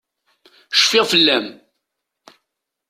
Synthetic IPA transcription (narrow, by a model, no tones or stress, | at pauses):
ʃfɪʁfəlːæm